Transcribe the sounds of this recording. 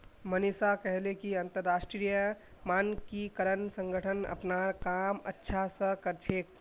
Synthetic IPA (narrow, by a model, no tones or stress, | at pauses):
mənɪsakɛɦlekiɐ̃nt̪əɾːaːʃʈɾijə | maːnkikəɾənsə̃ŋɡʱəʈʰənɐ̰pnakaːmə̰tːʃʰasəkəɾt͡ʃʰeːk̚